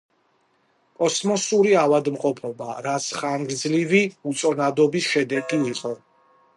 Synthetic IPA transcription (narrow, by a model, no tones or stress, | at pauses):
kʼɔsmɔsuɾiavad̪mqʼɔpʰɔbaɾat̪sʰχaŋɡɾd̪zliviut̪sʼɔnad̪ɔbisʃɛd̪ɛkʼiːqʼɔ